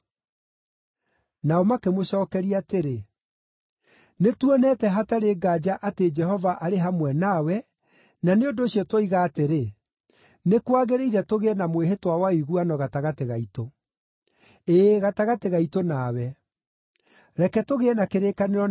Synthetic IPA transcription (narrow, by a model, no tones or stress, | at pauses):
naomakemoɕɔːkɛɾiaːteɾe | netwɔnɛtɛɦataɾeːɡaːd͡ʒaʔated͡ʒɛɦɔvaʔaɾeɦamwɛnawɛ | naneondoːɕiɔtwoiɣaːteɾe | nekwaɣeɾeiɾɛtoɣeɛnamweɦetwawaiɣuanɔɣataɣateɣaito | eːɣataɣateɣaitonaːwɛ | ɾɛkɛtoɣeɛnakeɾekaneɾɔ